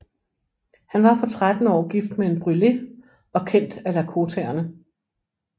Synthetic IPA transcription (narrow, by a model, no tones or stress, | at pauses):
hænʋɑ̈pʰɒ̽t͡sʰʁad̥n̩ɒ̰ːɡ̥ifd̥mee̝nb̥ʁyle̝ | ɒ̽kʰen̰d̥ælækʰo̝t͡sʰeɐnə